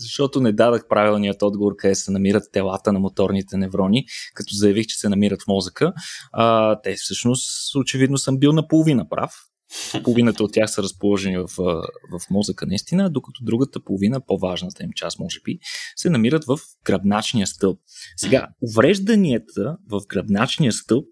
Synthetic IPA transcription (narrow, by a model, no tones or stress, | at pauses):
zɐʃt̪ɔt̪onɛd̪ad̪əxpɾavilˠniət̪ɔd̪ɡovoɾkɐd̪ɛsɛnɐmiɾət̪ːɛlˠat̪ənɐmot̪ɔɾnit̪ɛnɛvɾɔnikɐt̪ɔzɐjɐvixt͡ʃɛ̥sɛnɐmiɾət̪fmɔzəkəat̪ɛfsɤʃnost̪ot͡ʃɛvid̪nosɤmbilˠnɐpolˠovinəpɾʔa̰f | polˠovinət̪əot̪ʲːjaxsəɾəspolˠɔʒɛnivɐfvɐfmɔzəkənɐist̪inəd̪okɐt̪ɔd̪ɾuɡət̪əpolˠovinəpovaʒnət̪əimt͡ʃasmɔʒɛb̥isɛnɐmiɾət̪vəf | ɡ̥ɾɐb̪nat͡ʃnijəst̪ɤlˠp̚sɛɡa̰ovɾɛʒd̪əniɛt̪ʰəvəvɡɾɐb̪nat͡ʃnijəst̪ɤlˠp̚